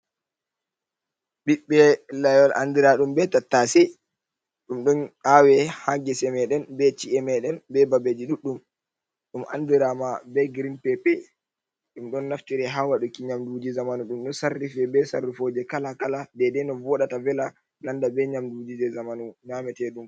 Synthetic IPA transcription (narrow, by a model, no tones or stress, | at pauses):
ɓiɓːɛlajɔlʔa̰ndiɾaɗumbɛtatːasi | ɗumɗɔnawɛhaŋɡɛsɛmɛɗɛnbɛt͡ʃiɛmɛɗɛnbɛbabed͡ʒiɗuɗum | ɗumʔa̰ndiɾamabɛɡɾinpɛpɛ | ɗumɗɔnːaftiɾɛɦawaɗukiɲamdud͡ʒizamanuɗumɗɔsarːifɛbɛsarːifod͡ʒɛkalakaladɛdɛnɔvɔɗatavɛla | nandabɛɲamdud͡ʒid͡ʒɛzamanuɲamɛtɛɗum